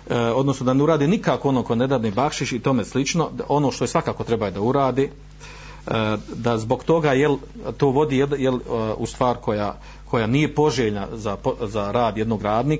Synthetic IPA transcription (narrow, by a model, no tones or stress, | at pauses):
o̞d̪nosnod̪aneuɾaːd̪inikaːkoo̞nokoned̪aʋnibakʃit͡ʃit̪o̞meslit͡ʃno̞ʔo̞noʃt̪o̞jesʋakaːko̞t̪ɾebajod̪auɾaːd̪eː | d̪azbo̞ɡt̪o̞ɡaːjel | t̪oːʋo̞d̪iːjed̪jelust̪ʋaːɾkʰo̞jaː | kʰo̞jaːnije̞po̞ʒeːʎnazapozaɾaːd̪je̞d̪no̞ːɡɾaːd̪niːk